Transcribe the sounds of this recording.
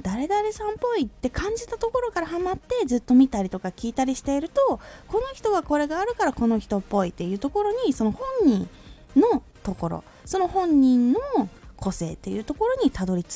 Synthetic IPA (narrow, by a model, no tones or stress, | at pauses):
d̪̥aɾe̞d̪aɾe̞sãmpo̞it̪ːe̞kãɲ̟d͡ʑit̪at̪o̞ko̞ɾo̞kaɾahamat̪ːe̞zɨt̪ːo̞mʲit̪aɾʲit̪o̞kakʲiːt̪aɾʲiɕi̥t̪e̞iɾɯ̟t̪o̞ko̞no̞çʲi̥t̪o̞ɡako̞ɾe̞ɡaːɾɯ̟kaɾako̞no̞çi̥t̪opːo̞it̪ːe̞jɯ̟ːt̪o̞ko̞ɾo̞ɲ̟iso̞no̞hõ̞ɲ̟ɲĩn | no̞ | t̪o̞ko̞ɾo̞̰ | so̞no̞hõ̞ɲ̟ːĩnːo̞kʰo̞se̞ːt̪ːe̞jɯ̟ːt̪o̞ko̞ɾo̞ɲ̟it̪ad̪o̞ɾʲit͡s